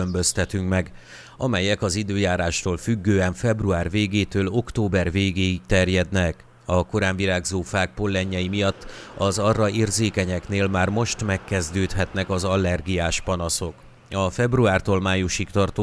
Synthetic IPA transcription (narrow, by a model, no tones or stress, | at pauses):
ømbø̞st̪ɛt̪yŋkmɛɡ | ɒmɛjɛkɒzid̪øːjaːɾaːʃt̪oːlfyɡːøːɛɱfɛbruaːrveːɡeːt̪øːlo̞kt̪oːbɛrveːɡeːikt̪ɛrjɛd̪nɛk | ɒko̞ɾaːɱvilaːɡzoːfaːk̚po̞lːɛɲːɛjimijɒt̪ːɒzɒrːɒeːrzeːkɛɲɛkneːlmaːrmo̞ʃt̪mɛkːɛzd̪øːt̪hɛt̪nɛkɒzɒlːɛrɡijaːʃpɒnɒso̞k | ɒfɛbruaːrt̪oːlmaːjuʃikt̪ɒrt̪o